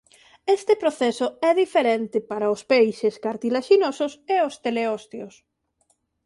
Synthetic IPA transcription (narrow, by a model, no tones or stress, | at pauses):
est̪ɪpɾoθɛsʊɛðifeɾent̪ɪpaɾaʊspejʃeskaɾt̪ilaʃinosʊseost̪eleɔst̪jos